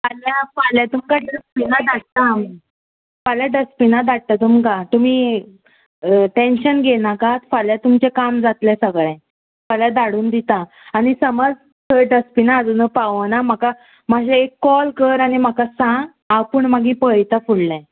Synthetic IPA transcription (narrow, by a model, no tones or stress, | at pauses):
paljafaljat̪umkaɖəspinad̪aɽ̚t̪ami | faljaɖəspinad̪aɽ̚t̪at̪umkat̪um̤iː | ʈenɕənɡenakat̪faljat̪umt͡ɕekamd͡zat̪lɛ̃səɡɭɛ̃ | paljad̪aɽuːnd̪it̪ã | añisəməd͡z | t̪ʰəɖəspinaːd͡zənəpaʋənam̤aka | mad͡ʑeekːɔlkəɾañim̤akasãɡ | apəɳmaɡʱiːpəjt̪afuɽːɛ̃